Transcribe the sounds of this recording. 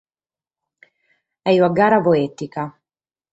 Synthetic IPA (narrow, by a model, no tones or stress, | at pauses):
ɛjuaɡaːɾavoet̪ika